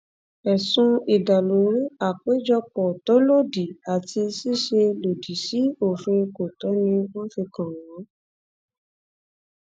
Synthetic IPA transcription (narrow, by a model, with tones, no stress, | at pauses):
ɛ˨sũ˧i˨da˨lo˨˦ɾi˦a˦˨ke˨˦d͡ʒɔ˧k͡pɔ˨to˨˦lo˦˨di˨a˨ti˧si˦˨ʃe˧lo˨di˨si˨˦o˦˨fĩ˧ko˨tɔ˨˦nĩ˧wɔ̃˦fi˧kã˨ɔ̃˨˦